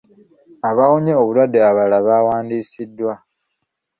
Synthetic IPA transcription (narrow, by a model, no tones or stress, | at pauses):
aβawoɲeoβulwadːeaβalaβawaːndiːsidːwa